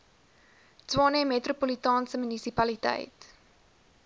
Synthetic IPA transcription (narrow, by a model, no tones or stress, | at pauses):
twɑːnemetropolitɑːnsəmynisipɐlitɛ̰jt